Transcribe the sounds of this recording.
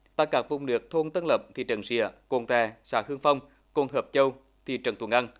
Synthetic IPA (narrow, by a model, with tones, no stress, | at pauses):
t̪aː˧˩kaː˨˦˥k̚vʊ˨˧˩wŋ͡mnɨ˨˩ək̚t̪ʰo˧nt̪ə˧nlə˨˩p̚t̪ʰi˧˩t͡ɕə˨˩nsḭ˧˨əko˧˩nt̪ɛ˧˩sa̰ː˨˦˥hɨ˧əŋfa˧wŋ͡m | ko˧˩nɦəː˨˩p̚t͡ɕə˧w | t̪ʰi˧˩t͡ɕə˨˩nt̪ʰŋʔa˧ŋ